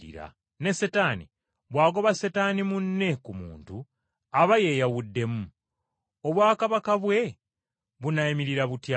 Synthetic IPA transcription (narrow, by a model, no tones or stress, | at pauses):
ḭɾa̰ | ne̞setaːnḭ | βwaːɡo̞βasetaːnimunːe̞kumṵːntu | aβaje̞ːjawudːe̞mu | o̞βwaːkaβakaβwe̞ | βunaimiɾiɾaβutja